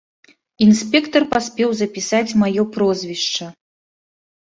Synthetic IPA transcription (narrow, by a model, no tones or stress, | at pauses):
insʲpʲɛkt̪ɐrpasʲpʲɛwzɐpʲisat͡sʲmajɔpɾɔzʲvʲiʂt͡ʂɐ